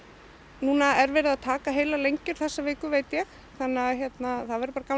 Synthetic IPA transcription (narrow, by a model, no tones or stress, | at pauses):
nuːnaɛɾvɛːɾɪðaðt̪ʰaːkaɦeːjlalejɲcʏɾ̥θɛsːavɪːkʏveːjt̪jɛx | θanːaçjɛt̪naθaðvɛɾɪpaːɾakam